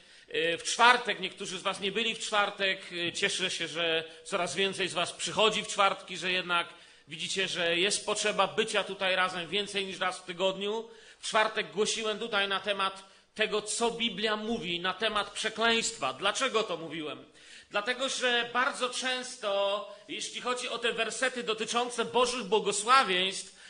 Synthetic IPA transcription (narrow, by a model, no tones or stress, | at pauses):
ft͡ʂfaɾt̪ɛkɲɛkt̪uʐɨzvasɲɛbɘlʲift͡ʂfaɾt̪ɛkt͡ɕɛʂɛɕɛʐɛt̪sɔɾazvʲjɛnt̪sɛjzvaspʂɘxɔd͡ʑift͡ʂfaɾt̪kʲiʐɛjɛd̪nak | vʲid͡ʑit͡ɕɛʐɛjɛst̪̚pɔtʂɛbabɘt͡ɕat̪ut̪ajɾazɛmvʲjɛnt̪sɛjɲiʂɾasft̪ɘɡɔd̪ɲu | ft͡ʂfaɾt̪ɛɡ̚ɡwɔɕiwɛmt̪ut̪ajnat̪ɛmat̪ː | ɛɡɔt̪sɔbʲiblʲjamuvʲinat̪ɛmat̪pʂɛklɛj̃st̪fa̰d̪lat͡ʂɛɡɔt̪ɔmuvʲiwɛm | d̪lat̪ɛɡɔʐɛbaɾd̪zɔt͡ʂɛ̃w̃st̪ɔjɛɕlʲixɔd͡ʑiɔt̪ɛvɛɾsɛt̪ɘd̪ɔt̪ɘt͡ʂɔnt̪sɛbɔʐɘɣbwɔɡɔswavʲjɛj̃st̪f